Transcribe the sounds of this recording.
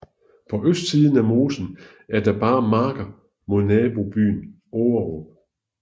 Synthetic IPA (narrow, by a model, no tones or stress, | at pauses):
pʰɒ̽ʔøsd̥siːð̞ˠn̩æmo̝ːsn̩ | æɐd̥ɑ̈b̥ɑ̈ːmɑ̈ːɡ̥ɐ | mo̝ðˠnɛːb̥o̝b̥y̰ːn | oːɐʁo